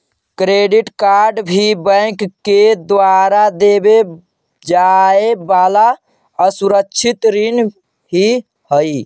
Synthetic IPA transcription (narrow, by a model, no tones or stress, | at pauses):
kɾeɖiʈkaɾɖbʱibə̃ɪkkːed̪ʋaɾad̪ebe | d͡ʒaebala | əsuɾəkt͡ʃʰit̪ɾin | ɦi | həi